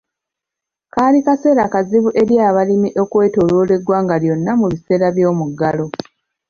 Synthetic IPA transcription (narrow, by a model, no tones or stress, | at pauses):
kaːlikase̞ːɾakaziβuʔe̞ɾjaːβalimiʔo̞kwe̞ːtoːloːle̞ɡwaːŋɡaljo̞nːamuβise̞ːɾaβjo̞ːmuɡːalo̞